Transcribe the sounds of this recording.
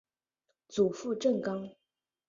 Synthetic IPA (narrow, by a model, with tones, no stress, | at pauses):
t͡su˨˩fu˥˧ʈ͡ʂə˥˩ŋkɑ˥ŋ